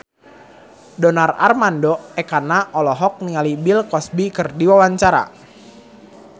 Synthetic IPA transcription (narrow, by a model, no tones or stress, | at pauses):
dɔnara̰rmandɔɛkanaʔɔlɔɦɔk̚niŋalibɪlkɔsbikɨrdiwawaɲt͡ʃaɾa̰